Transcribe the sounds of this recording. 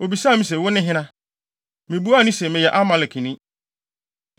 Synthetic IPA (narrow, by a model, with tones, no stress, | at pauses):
o˨bi˨saː˦˨mĩ˦s̬ɛ˨wʊ˦nɪ̃˦ɦɪ̃˦nã˦ | mɪ̃˨bu˦a˦nĩ˦sɛ˨mɪ̃˨jɛ˨ʔa˦mã˨lɪ˨kʰĩ˨nɪ̃˦